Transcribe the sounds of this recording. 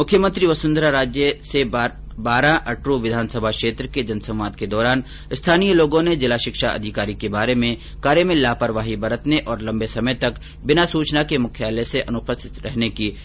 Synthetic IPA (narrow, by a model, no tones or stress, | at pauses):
mʊkʰjəmə̃nt̪ɾiʋɐsʊ̃nd̪ɾaɾaːd͡ʒjəse | baːɾãʔɐʈɾoʋɪd̪ʱaːnsəbʱakʃeːt̪ɾəked͡ʒɐnsɐ̃w̃ʋaːd̪ked̪ɔːɾaːn | ɪst̪ʰaːnijəloːɡõned͡ʒɪlaʃɪkʃaʔɐ̰d̪ʱɪkaːɾikebaːɾemẽ | kaːɾjəmẽlaːpəɾʋaːɦibɐɾət̪neʔɔːɾlɐ̃mbesɐməjt̪ɐk | bɪnasuːt͡ʃnakemʊkʰjaːleseʔɐnʊpəsɪ̥t̪ɾɛɦnekiː